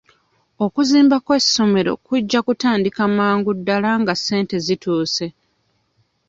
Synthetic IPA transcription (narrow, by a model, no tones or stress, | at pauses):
o̞kuziːmbakwesːo̞me̞ɾo̞̰kuɟːakutaːndikamaːŋɡudːalaŋɡasːe̞ːnte̞zituːse̞